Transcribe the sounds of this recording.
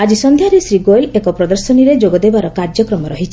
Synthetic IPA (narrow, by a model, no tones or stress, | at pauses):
ad͡ʒisɔnd̪ʱjaɾesɾiɡoelekɔpɾɔd̪ɔɾsɔniɾed͡ʒoɡɔd̪ebaɾɔkaɾd͡ʒjɔkɾɔmɔɾɔɦit͡ʃʰi